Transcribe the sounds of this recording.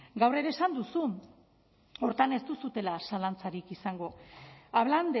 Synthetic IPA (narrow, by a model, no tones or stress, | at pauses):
ɡawre̞ɾe̞ːsand̪usu | o̞ɾt̪ane̞st̪usut̪e̞lasalant͡saɾikisaŋɡo̞aβland̪e